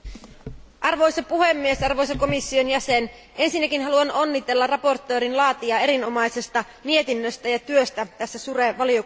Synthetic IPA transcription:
ʔɑrʋo̞jsɑpuhe̞mːiesɑrʋo̞jsɑko̞misːionjæse̞n | ʔe̞nsinːækinɦɑluɑnonːit̪e̞lːɑrɑpo̞rt̪ːø̞ːɾinlɑːt̪iɑe̞ɾino̞mɑjse̞st̪ɑ | mie̞t̪inːøst̪æjɑt̪yø̞st̪æt̪æsːæsureʋɑlijo

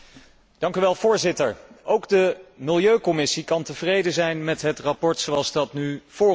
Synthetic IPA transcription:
d̥ɑŋkyʋɛlˠvʊːɹzɪtəɹowɡdəmɪlˠjøɥkɔmɪsikɑntəvrejdəzɛjnmɛtɦətrapɔɹtsowɑlˠzdɑtnyv̥ʊː

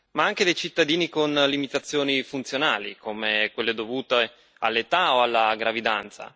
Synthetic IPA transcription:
maaŋk̟ed̪ejt͡ʃit̪ːad̪iːnikonlimit̪at̪sːjoːnifunt̪sjonaːlḭkʰomekwelːed̪ovuːt̪e | alːet̪aoalːaɡɾavid̪ant̪sa̰

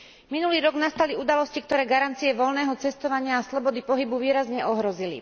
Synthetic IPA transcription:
minuliːɾɔɡnast̪aliud̪alɔscikt̪ɔɾɛːɡaɾant̪t͡siɛʋɔlnɛːɦɔt͡sɛst̪ɔʋaɲɪaːslɔbɔd̪ipɔɦibuʋiːɾazɲɛɔɦɾɔzilḭ

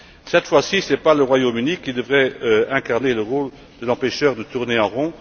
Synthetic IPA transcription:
sɛt̪fwasisɛpaləʁwajomynikʲid̪əvʁɛɛ̃kaʁneləʁol | d̪̥əlɑ̃pɛʃœːʁd̪ət̪uʁneɑ̃ʁɔ̃

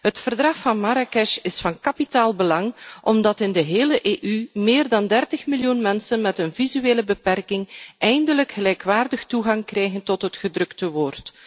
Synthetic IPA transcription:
ɦətfərdrɑxfɑnmaɾakɛʃɪsfɑnkɑpitaːlˠbəlɑŋʔɔmdɑtɪndəɦeːləʔeːʔymeːrdɑndɛrtəxmiljunmɛnsənmɛtənvizyeːləbəpɛrkɪŋʔɛjndələkxəlɛjkʋaːrdəxtuɣɑŋkrɛjɣəntɔtɦətxədrɵktəʋoːrt

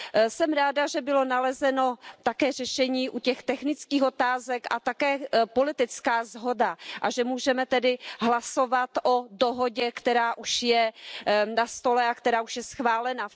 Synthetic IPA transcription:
sɛmɾaːdaʒɛbɪlo̞nalɛzɛno̞t̪akɛːr̝ɛʃɛɲiːʔucɛxt̪ɛxnɪt͡skiːxot̪aːzɛkʔa̰t̪akɛːpo̞lɪt̪ɪt͡skaːzɦo̞daʔaʒɛmuːʒɛmɛt̪ɛdɪɦlaso̞vat̪ʔodoɦo̞ɟɛkt̪ɛɾaːʔuʃjɛ | nast̪o̞lɛakt̪ɛɾaːuʃjɛsxvaːlɛna

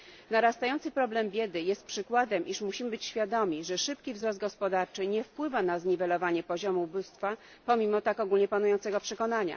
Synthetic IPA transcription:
naɾast̪ajɔnt̪sɘpɾɔblɛmbʲjɛd̪ɘjɛst̪̚pʂɘkwad̪ɛmʔiʂmuɕimɘbɘt͡ɕɕfʲjad̪ɔmʲiʐɛʂɘp̚kʲivzɾɔs̬t̪̚ɡɔspɔd̪aɾt͡ʂɘɲɛfpwɘvanazɲivɛlɔvaɲɛpɔʑɔmubust̪fa | pɔmʲimɔt̪akɔɡulɲɛpanujɔnt̪sɛɡɔpʂɛkɔnaɲa̰

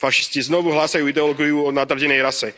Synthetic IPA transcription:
faʃi̥sciznɔʋuɦlaːsajuːid̪ɛɔlɔɡijuɔd̪nat̪r̩ɟɛnɛjɾasɛ

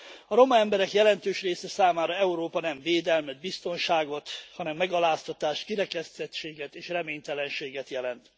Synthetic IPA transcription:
ɒɾo̞mɒɛmbɛɾɛkjɛlɛnt̪øːʃreːsɛsaːmaːɾɒɛuɾoːpɒnɛɱveːd̪ɛlmɛd̪̚bist̪o̞nʃaːɡo̞t̪hɒnɛmːɛɡɒlaːst̪ɒt̪aːʃt̪kiɾɛkɛst̪ɛtt͡ʃeːɡɛt̪eːʃrɛmeːɲt̪ɛlɛnʃeːɡɛt̪jɛlɛnt̪

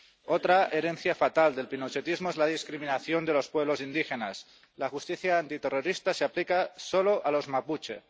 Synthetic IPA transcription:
ot̪ɾaʔeɾen̟θjafat̪ald̪elpinot͡ʃet̪izmoezlað̞iskɾiminaθjond̪elo̞spweβlosind̪ixenas | laxust̪iθjaːnt̪it̪eroɾist̪aseaplikasoloʔalo̞zmaput͡ʃḛ

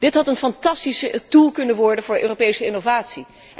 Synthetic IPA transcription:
d̥ɪtɦɑtənfɑntɑstisətulˠkɵnənʋɔɹdənvʊːɹʔøːropejsəɪnovaːtsi

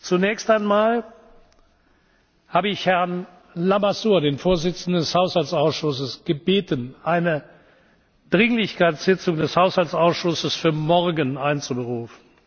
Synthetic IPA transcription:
t͡sunɛːçstaɪnmaːl | haːbəɪçhɛɐn | lamasuːɐdeːnfoːɐzɪt͡sn̩dəndɛshaʊshaltt͡saʊsʃʊsəsɡ̥əbeːtənʔaɪnə | d̥ʁɪŋlɪçkaɪtz̥ɪt͡sʊŋdɛshaʊshaltsaʊsʃʊsəsfyːɐmɔʁɡənaɪnt͡subəʁuːfən̩

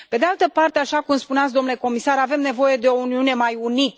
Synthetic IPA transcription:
pe̞d̪ealt̪əpart̪eaʃakumspuneat̪s̬ʲd̪o̞mnule̞ko̞misaɾave̞mne̞vo̞je̞d̪e̞o̞uniune̞majunit̪

